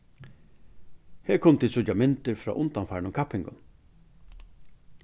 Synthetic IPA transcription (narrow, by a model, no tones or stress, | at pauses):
heːɾkʰʊnt̪ʰiːsʊt͡ʃamɪnt̪ɪɾfɾɔ̰ːʔʊnt̪anfaɾnʊmkʰapʰɪŋkʊn